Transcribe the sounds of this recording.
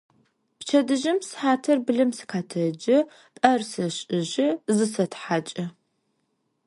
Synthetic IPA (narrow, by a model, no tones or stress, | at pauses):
pt͡ʃʰɐdɨʒɪmsħaːtʰɐrbɨɮɨmsɨ̥kʰaːtʰɐd͡ʒɐ | tʼɐrsɐɕʼɨʒɪzɨsɐtħaːt͡ʃʼɐ